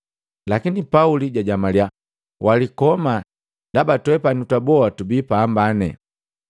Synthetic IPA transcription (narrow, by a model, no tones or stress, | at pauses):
lakinipauliɟaɟamalja | wʔalikɔma | ndabatwɛpanutabɔatubiːpaːmbanɛ̰